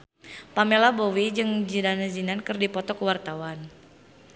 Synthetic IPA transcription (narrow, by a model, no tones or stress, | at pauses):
pamelabowid͡ʒɨŋd͡ʒidanazinankɨrdipɔt̪ɔkəwart̪awan